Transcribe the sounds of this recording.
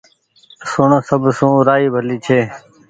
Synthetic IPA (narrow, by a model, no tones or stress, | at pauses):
sʊɳsəbʱsũːɾaːiːbʱəliːt͡ʃʰeː